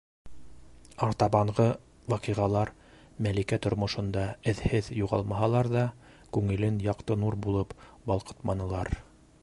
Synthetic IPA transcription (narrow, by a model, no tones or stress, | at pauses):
ɑɾt̪ɑβɑɴʁɤ | wɑqiʁɑlˠɑɾ | mælikæt̪ŏɾmŏʃŏnd̪ɑɘ̆ðhɘðjuʁɑ̰lˠmɑɦɑlˠɑɾðɑ | kʉŋɘ̆lɘnjɑqt̪ɤnuɾbulˠɤpbɑlˠqɤ̥t̪mɑnɤ̆lˠɑɾ